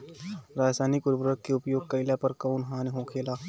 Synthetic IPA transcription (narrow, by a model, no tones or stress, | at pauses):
ɾad͡ʒsanikuɾbɾək̪keupjoɡ̚kəjljapəɾkəunɦãniɦõkʰelaː